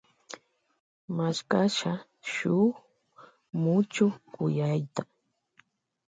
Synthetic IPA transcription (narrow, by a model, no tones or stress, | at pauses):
maʃkaʃa | ʃʊ | mʊt͡ʃʊkʊjajt̪a